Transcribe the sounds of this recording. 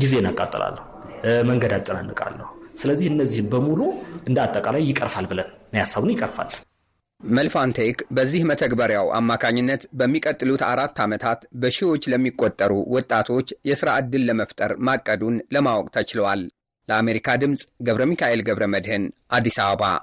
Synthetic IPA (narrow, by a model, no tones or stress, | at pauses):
ɡize̞nakʼa̰t̪ʼːɨla̰lːə | məŋɡəd̪at͡ʃʼɨnanːɨkʼa̰lːəhusɨləzːihɨnːəzːihɨnbəmuluʔɨnd̪at̪ʼːəkʼalajːɪkʼəɾfalbɨlənnəjasːəβunjɪkʼəɾfa̰lː | məlfant̪ʰekbəzːihmət̪ʰəɡbəɾjawʔa̰mːakʰaɲːɪnːət̪bəmːikʼət̪ʼːɨlut̪aɾat̪ːamət̪ʰat̪bəʃɪwo̞t͡ʃːləmːikʼːot̪ʼːəɾṵwɔt̪ʼːat̪ʰo̞t͡ʃːjɛsɨɾaʔɨd̪ːɨlːəməft̪ʼəɾmakʼːəd̪unləmawɔkʼt̪ʰət͡ʃɪləwal | ləame̞ɾikʰad̪ɨmsʼɡəβɾəmikʰaʔe̞lɡəβɾəməd̪hɨnʔad̪ːisaβəβa̰